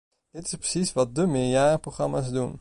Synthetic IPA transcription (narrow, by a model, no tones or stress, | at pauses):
d̥ɪtɪ̥sprəsisʋɑt̚dəmɪːɹjaːrəproχrɑmaːsdun